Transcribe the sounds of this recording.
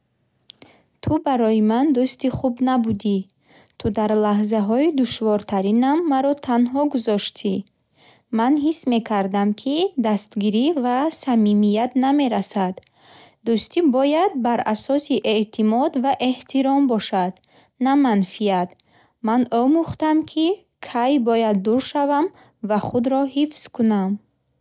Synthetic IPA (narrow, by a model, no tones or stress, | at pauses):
t̪ʰubaɾɔjimand̪ust̪iχubnabud̪i | t̪ʰud̪aɾlaɦzaɦɔid̪uʃvɔɾt̪ʰaɾinamːaɾɔt̪ʰanɦɔɡuzɔʃt̪ʰi | manɦisme̞kʰaɾd̪amkʰid̪ast̪ɡiɾivasamimijat̪name̞ɾasad̪ː | ust̪ʰibɔjad̪̚baɾasɔsiʔet̪ʰimɔd̪vaʔe̞ht̪ʰiɾɔmbɔʃad̪ | namanfijat̪ | manɔmuχt̪amkʰi | kʰajbɔjad̪ːuɾʃavam | vaχud̪ɾɔhifz̥kʰunam